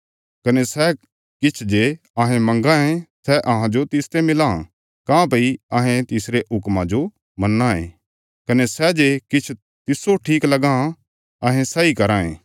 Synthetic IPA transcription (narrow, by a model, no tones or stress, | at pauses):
kɐnesɛ | kɪt͡ʃʰd͡ʒe | ɐɦẽmɐ̃ŋɡãẽsɛʔɐɦãd͡ʒot̪ɪst̪emɪlã̰ | kãːpɐiɐɦẽt̪ɪsɾeʊkmãd͡ʒo | mɐnːãḛ̃ | kɐnesɛd͡ʒekɪt͡ʃʰ | t̪ɪsːoʈʰiːklɐɡã | ɐɦẽsɛikɐɾãːḛ̃ː